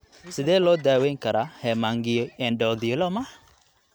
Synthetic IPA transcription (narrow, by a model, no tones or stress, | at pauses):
sɪðɛːlɔːd̪aːwɛjŋkʰɐɾahɛːmaːŋɡɪjɔɛnɖɔːðɪlɔmɐ